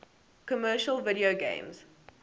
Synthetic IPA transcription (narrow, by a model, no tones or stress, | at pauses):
kɔmɜːˑʃəlˠvɪɾioɡḛ̃ɪ̃mz̥